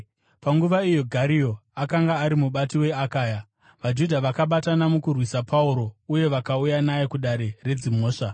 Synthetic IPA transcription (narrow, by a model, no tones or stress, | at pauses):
paŋɡuʋaijo̞ɡʱaɾijo̞akaŋɡaːɾimuɓatiwe̞akaːja | ʋad͡ʒudʱaʋakaɓatanamukurwisapʰauɾo̞uje̞ʋakaujanajekuɗaɾe̞re̞d͡zimo̞ːʂa